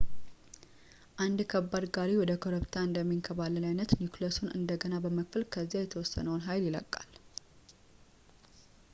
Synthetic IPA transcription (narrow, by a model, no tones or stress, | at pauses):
ʔand̪kʰəbːad̪ɡaɾiwɔd̪əkʰoɾəβt̪ʰaɨnd̪əmːiŋkʰəbaləlajnət̪nikləsonʔɨ̰nd̪əɡənabəməkfɨlkʰəzːjajɛt̪ʰəwɔsːə̰nəwnɦajljɪlə̰kʼːal